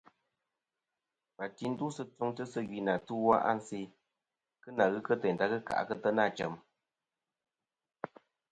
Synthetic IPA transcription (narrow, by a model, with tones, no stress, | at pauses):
ba˨ti˦n̩˦du˦sɨ˦tu˧ŋtɨ˦sɨ˦ɡi˨na˨tɨ˦wa˦ʔa̰˦n̩˦si˧ | kɨ˦na˨ɣɨ˦kə˦tɛ˨n̩˨ta˦kɨ˦ka̰˨ʔkɨ˦tə˦na˦˨t͡ʃə˨m